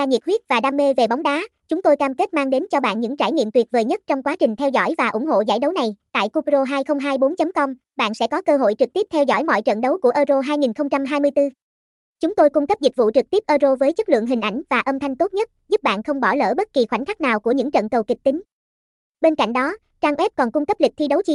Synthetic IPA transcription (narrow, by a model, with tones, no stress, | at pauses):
aː˧ɲi˨˩t̚hwi˦˥ət̚vaː˨˩ɗaː˧mːe˧ve˨˩ɓa˨˦ŋ͡mɗaː˨˦t͡ɕʊ˨˦ŋ͡mt̪o˧jkaː˧mke˦˥t̚maː˧ŋɗe˨˦nt͡ɕɔ˧ɓa̰ː˧˨nɲɨ̰˧˥ŋt͡ɕaː˧˩jɲḭ˧˨əmt̪wi˨˩t̚vəː˨˩jɲə˦˥t̚t͡ɕɔ˧wŋ͡mkwaː˨˦t͡ɕï˨˩ŋ̟t̪ʰɛ˧wzɔ̰˧˥˩jvaː˨˩ʔʊ˧˩ŋ͡mɦo̰˧˨za̰ː˧˩jɗə˨˦wna˨˩jt̪a̰ː˧˨jku˧pzo˧ɦaː˧jxə˧wŋ͡mɦaː˧jɓo˨˦nt͡ɕə˨˦mkɔ˧wŋ͡m | ɓa̰ː˧˨nsɛ̰˧˥kɔ˨˦kəː˧ɦo̰˧˨jt͡ɕɨ˨˩k̚t̪i˦˥əp̚t̪ʰɛ˧wzɔ̰˧˥˩jmɔ̰˧˨jt͡ɕə̰˧˨nɗə˨˦wku˧˩ʔəː˧zo˧ɦaː˧jŋi˨˩nxə˧wŋ͡mt͡ɕa˧mɦaː˧jmɨ˧jt̪ɨ˧ | t͡ɕʊ˨˦ŋ͡mt̪o˧jkʊ˧ŋ͡mkə˦˥p̚zi˨˩k̟̚vṵ˧˨t͡ɕɨ˨˩t̪i˦˥p̚ʔəː˧zo˧vəː˨˦jt͡ɕə˦˥t̚lɨ̰˧˨əŋɦï˨˩ŋ̟ʔa˧˩jŋ̟vaː˨˩ʔə˧mt̪ʰa˧jŋ̟t̪o˦˥t̚ɲə˦˥t̚zu˦˥p̚ɓa̰ː˧˨nxə˧wŋ͡mɓɔ˧˩lə̰ː˧˩ɓə˦˥t̚ki˨˩xwa̰˧˩jŋ̟kʰa˦˥k̚naː˨˩wku˧˩əɲɨ̰˧˥ŋt͡ɕə̰˧˨nkə˨˩wkï˨˩k̚t̪ï˨˦ŋ̟ | ɓe˧nka̰˧˨jŋ̟ɗɔ˨˦ | t͡ɕaː˧ŋʔwɛ˦˥p̚kɔ˨˩nkʊ˧ŋ͡mkə˦˥p̚lï˨˩k̚t̪ʰi˧ɗə˨˦wt͡ɕi˨˦